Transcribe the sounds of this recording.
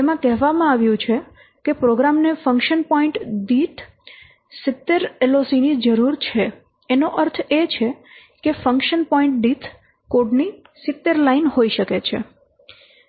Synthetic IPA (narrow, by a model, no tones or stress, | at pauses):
t̪emãkɛɦʋamãaʋjũt͡ʃʰe | kepɾoɡɾamnefə̃ŋkʃənpɔiɳʈɖit̪ʰ | sɪt̪ːeɾelosinid͡ʒəɾuɾt͡ʃʰe | enoʔəɾt̪ʰet͡ʃʰe | kefəŋkʃənpɔĩɳʈ̚ɖit̪ʰ | koɖni | sɪt̪ːeɾlainɦoiʃəket͡ʃʰḛ